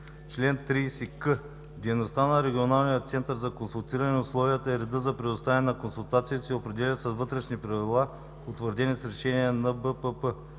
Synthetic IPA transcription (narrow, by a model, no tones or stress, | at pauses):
t͡ʃlɛnt̪ɾiːsikə | d̪ʲɛjnost̪anɐɾɛɡʲionalˠnijət̪sɛnt̪əɾzɐkonsulˠt̪iɾɐnɛʊslˠɔvijət̪əɛɾɛd̪əzɐpɾɛd̪ʊst̪avɛnɛnɐkonsulˠt̪at̪sit̪iopɾɛd̪ɛlʲəsɛzvɤt̪ɾɛʃnipɾɐvilˠa | ot̪vəɾd̪ɛnisɾɛʃɛniɛnɐbəpəpə